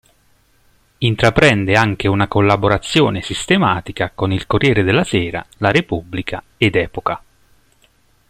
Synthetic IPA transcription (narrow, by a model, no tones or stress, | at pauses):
int̪ɾapɾɛnd̪eaŋk̟eunakolːaboɾat̪sːjoːnesist̪emaːt̪ikakonilkorjɛːɾed̪elːasɛːɾalaɾepubːlikʰa | ed̪ɛːpoka